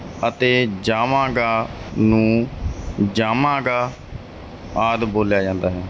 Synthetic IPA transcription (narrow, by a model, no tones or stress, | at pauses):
ət̪eːd͡ʒaːmãːɡaːnũː | d͡ʒaːmãːɡaː | aːd̪boːljaːd͡ʒãːnd̪aːɦɛː